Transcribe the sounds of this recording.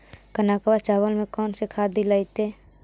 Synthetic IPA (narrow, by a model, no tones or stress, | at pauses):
kənaːkwat͡ʃaːwəlmẽkɔːnsekʰaːd̪ilait̪eː